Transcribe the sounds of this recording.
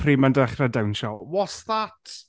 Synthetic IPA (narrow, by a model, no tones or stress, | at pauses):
pʰriːmandəχradawnʃɔwɔsðat